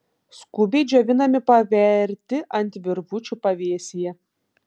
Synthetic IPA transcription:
skʊbʲɛɪd͡ʒʲoːʋʲɪnɐmʲɪpɐʋʲɛɾʲt̪ʲɪʔɐnʲt̪ʲʋʲɪɾʋʊt͡ʃʲupɐʋʲeːɛsʲijɛ

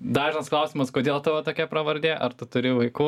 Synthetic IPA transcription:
d̪ɑːʒʲɪnɐsklˠɐʊsʲɪmɐskoːd̪ʲeːlˠt̪ʊʋɐt̪oːkʲɛpɾɐʋɐɾʲd̪ʲeːʔɐɾt̪ʊt̪ʊɾʲɪʋɐɪkuː

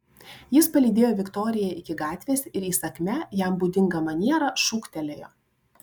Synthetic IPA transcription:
jɪspɐlʲiːd̪ʲeːjoːʋʲɪkt̪ɔɾʲɪjɛʔɪkʲɪɡɑːt̪ʲʋʲeːsʲɪɾiːsɐkʲmʲɛjæˑmbuːd̪ʲɪŋɡɐmɐnʲiɛɾɐʃʊkt̪ʲɛlʲejoː

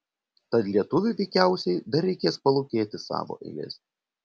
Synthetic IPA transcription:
t̪ɐt̪lʲiɛt̪ʊʋʲʊʋʲɛɪkʲæˑʊsʲɛɪd̪ɐɾʲɛɪkʲeːspɐlˠoʊkʲeːt̪ʲɪsɑ̰ːʋo̰ːʔɛ̰ɡʲɛ̰sʲ

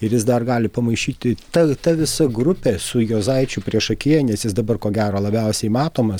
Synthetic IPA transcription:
ɪɾjɪsd̪ɐrɡɑːlʲɪpɐmɐɪʃʲiːt̪ʲɪt̪ɐt̪ɐʋʲɪsɐɡɾʊpʲesʊjoːzɐɪt͡ʃʲʊpʲɾʲiɛʃɐkʲiɛnʲɛsjɪsd̪ɐbɐrkoːɡʲæːɾoːlˠɐbʲɛʊsʲɛɪmɑːt̪oːmɐs

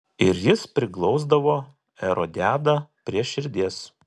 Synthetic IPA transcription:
ɪɾjɪspʲɾʲɪklˠɒʊzd̪ɐʋoː | ɛɾoːd̪ʲæːd̪ɐːpʲɾʲiɛʃʲɪɾʲd̪ʲiɛs

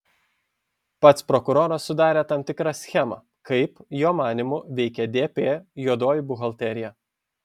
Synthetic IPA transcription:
pɐt̪spɾɔkʊɾoːɾɐsːʊd̪ɑːɾʲɛt̪ɐmt̪ʲɪkɾɑsʲxʲɛmɐ̰ | kɐɪpjoːmɑːnʲɪmʊʋʲɛɪkʲɛd̪ʲeːpʲeːjuɔd̪oːjɪbʊɣɐlʲˠt̪ʲɛɾʲɪjɛ

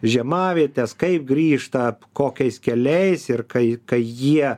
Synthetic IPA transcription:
ʒʲɛmɑːʋʲiɛt̪ʲɛskɐɪp̚ɡɾʲiːʃt̪ɐkoːkʲɛɪskʲɛlʲɛɪsɪrkɐɪkɐɪjiɛ

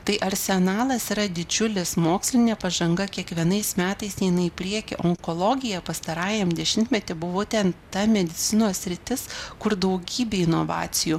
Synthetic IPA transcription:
t̪ɐɪʔɐɾʲsʲɛnɑːlˠɐsiːɾɐd̪ʲɪd͡ʒʲʊlʲɪsmoːksʲlʲɪnʲeːpɐʒɐŋɡɐkʲiɛkʋʲiɛnɐɪsmʲæːt̪ɐɪst̪ʲɛɪnɐɪpʲɾʲiɛkʲɪ̰ʔoŋkoːlˠoːɡʲɪjɛpɐst̪ɐɾɑːjɛmd̪ʲɛʃʲɪmʲt̪ʲmʲɛt̪ʲɪbʊʋoːt̪ʲɛnt̪ɐmʲɛd̪ʲɪt̪sʲɪnoːssʲɾʲɪt̪ʲɪskʊɾd̪ɐʊɡʲiːbʲeːɪnoːʋɑ̰ːtsʲɪjuː

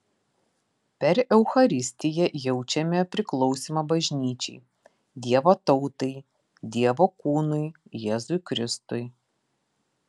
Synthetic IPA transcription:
pʲɛɾɛʊxɐɾʲɪsʲt̪ʲɪjɛjɛʊt͡ʃʲɛmʲɛpʲɾʲɪklˠɔʊsʲimɐbɐʒʲnʲiːt͡ʃʲɛ̰ɪ | d̪ʲiɛʋot̪ɐʊt̪ɐɪ | d̪ʲiɛʋoːkuːnʊɪjɛːzʊɪkɾʲɪst̪ʊɪ

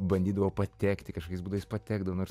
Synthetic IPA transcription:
bɐnʲd̪ʲiːd̪ɐʋoːpɐt̪ʲæːkt̪ʲɪkɐʃkokɛɪsbuːd̪ɐʋɐɪspɐt̪ʲæːɡd̪ɐʋoːnoːɾs

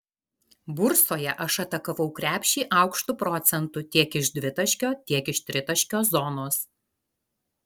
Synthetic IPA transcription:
bʊɾsoːjɛʔɐʃɐt̪ɐkɐʋɒʊkɾʲæːpʲʃʲiːʔɐˑʊkʃt̪ʊpɾɔt̪sʲɛnt̪ʊt̪ʲiɛkɪʃd̪ʲʋʲɪt̪ɐʃʲkʲoːt̪ʲiɛkɪʃt̪ʲɾʲɪt̪ɐʃʲkʲoːszɔnoːs

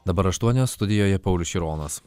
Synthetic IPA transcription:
d̪ɐbɐɾɐʃt̪uɔnʲoːst̪ʊd̪ʲɪjoːjɛpɐʊlʲʊʃʲiɾoːnɐs

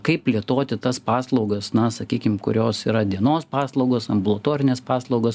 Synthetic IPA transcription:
kɐɪpppʲlʲiɛt̪oːt̪ʲɪt̪ɐspɑːslˠɐʊɡɐsnɐsɐkʲiːkʲɪmkʊ̰ɾʲoːsiːɾɐd̪ʲiɛnoːspɑːslˠɐʊɡosɐmbʊlˠɐt̪oːɾʲɪnʲeːspɑːslˠɒʊɡos

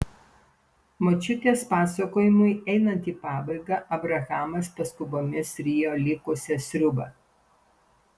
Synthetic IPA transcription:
mot͡ʃʲʊt̪ʲeːspɑːsɐkoːjɪmʊɪɛɪnɐnt̪ʲiːpɑːbɐɪɡɐʔɐbɾɐɣɑːmɐspɐskʊboːmʲɪsɾʲɪjoːlʲɪkʊsʲɛsʲɾʲʊbɐ

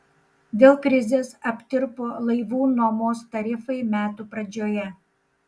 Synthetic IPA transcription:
d̪ʲeːlˠkɾʲɪzʲeːsɐpʲt̪ʲɪɾpolˠɐɪʋuːnoːmoːst̪ɐɾʲɪfɐɪmʲæːt̪uːpɾɐd͡ʒʲoːjɛ

